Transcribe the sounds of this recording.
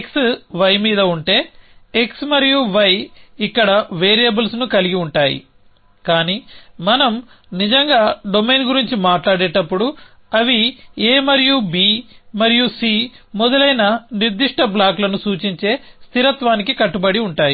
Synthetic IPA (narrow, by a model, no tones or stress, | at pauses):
ksʋɐjmiːd̪ɐuɳʈe̞ːeksmɐɾijuʋɐjikːɐɽɐʋeːɾijɐbɐlsnukɐliɡiuɳʈaːjḭ | kaːniːmɐnɐm | nid͡ʒɐŋɡaːɖo̞me̞jnɡuɾiɲt͡ʃimaːʈlaːɽeːʈɐpːuɽu | ɐʋieːmɐɾijubiːmɐɾijusiːmɔd̪ɐlɐjnɐniɾd̪iʂʈɐblaːklɐnusuːt͡ʃiɲt͡ʃe̞ːst̪ʰiɾɐt̪ʋaːnikikɐʈːubɐɽiuɳʈaːji